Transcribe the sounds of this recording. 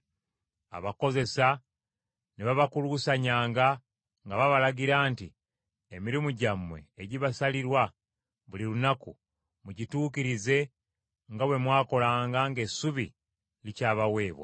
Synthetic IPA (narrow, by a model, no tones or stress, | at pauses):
a̰βako̞ze̞sa | neβaβakulusaɲaːŋɡa | ŋɡaβaβalaɟiɾaːnti | emiɾimuɟamwe̞ːɟiβasaliɾwa | βulilunaku | muɟituːkiɾize̞ | ŋɡawe̞mwaːko̞laːŋɡaŋɡe̞suβi | licaːβawe̞ːβwa̰